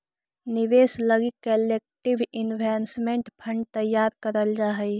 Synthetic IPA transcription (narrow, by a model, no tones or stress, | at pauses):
nɪʋeːsləɡikəleːk̚ʈɪʋɪnʋɛːnsmẽɳʈpʰə̃ɳɖ̚t̪əjːaːɾkəɾəld͡ʒaːɦɛi